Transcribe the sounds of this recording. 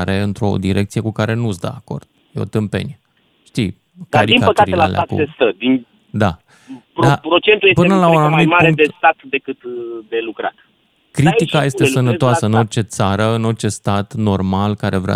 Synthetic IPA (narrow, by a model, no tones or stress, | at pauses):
ɾe̞ɨnt̪ɾo̞̰d̪iɾe̞kt̪sije̞kukaɾe̞nusd̪ə̰ako̞̰rd̪̥jeo̞̰t̪ɨmpe̞̰nie | ʃt̪i | kd̪aɾiinkapəkatielaalʔ̪at̪kṵsest̪əd̪in | d̪a | papɾo̞t͡ʃe̞nt̪ujepɨenəlaunanumimaɾeŋk̚d̪est̪at̪d̪e̞kɨt̪d̪e̞lukɾa̰t̪ | kɾit̪ikaje̞st̪esənəoasəɨno̞rt͡ʃe̞t̪saɾəɨno̞rt͡ʃe̞st̪at̪no̞rmalkaɾʔe̞vɾa̰